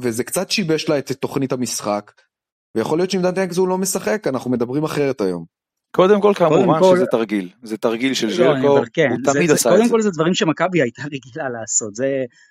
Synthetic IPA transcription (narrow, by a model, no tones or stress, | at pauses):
vezekt͡sat̪ʃibeʃlaet̪elt̪ːo̞χnit̪hamisχak | veja̰χo̞liott͡ʃʃimdant̪ekzulo̞mesaχe̞kanaχnume̞d̪ɐbʁimaχeʁet̪ajo̞̰m | kod̪emko̞lkamkumaolzet̪aʁɡilzet̪aʁɡilʃelʒekoalkenut̪amid̪asakod̪emko̞lzed̪vaʁimʃemakabiajt̪aʁeɡilalaːso̞t̪ze